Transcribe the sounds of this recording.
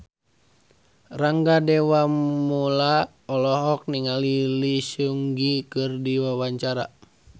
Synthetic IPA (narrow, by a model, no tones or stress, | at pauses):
raŋɡadɛwamula | ɔlɔɦɔk̚niŋalilisuŋɡikɨrdiwawaɲt͡ʃaɾa